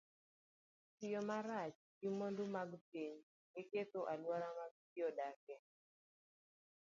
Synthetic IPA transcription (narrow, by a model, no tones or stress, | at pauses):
t͡ʃɪjɔmaɾat͡ʃ | ɡɪmondomaɡpiɲ | ɡɪket̪oʔalwaɾamaɡ̚tijɔdakɛ